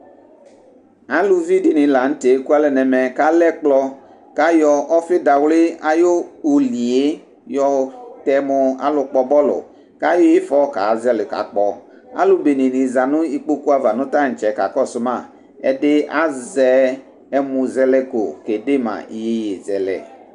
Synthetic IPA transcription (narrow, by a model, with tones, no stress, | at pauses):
a˦lu˨vi˦di˦nĩ˨la˨n̩˦te˨˦ku˦a˦lɛ˨nɛ˨mɛ̃˨ka˦lɛ˦k͡plɔ˦ | ka˦jɔ˨ʔɔ˦fɪ˦da˨wlɪ˦a˦jo˦o˨li˨e˦ | jɔ˨t̪ɛ˨mõ˨˧a̰˦lʊ˨k͡pɔ˨bɔ˦lʊ̰˨ | ka˦jo˦je˦fɔ˦ka̰˨˦zɛ˦lɪ˨ka̰˨k͡pɔ˦ | a̰˦lu˦be˨nĩ˨nĩ˨za˨nʊ̃˦i˦k͡po˦ku˦a˦va˨nʊ̃˦t̪a˦˨ŋ̩˨t͡ʃɛ˨˦ka̰˨kɔ˦sʊ˦mã˦˨ | ɛ̰˦de˦a˦zɛ˦ | ɛ˦mũ˨zɛ˦lɛ˦ɡo̰˨ke˨de˦mã̰˨i˨je˦je˨zɛ˨lɛ̰˨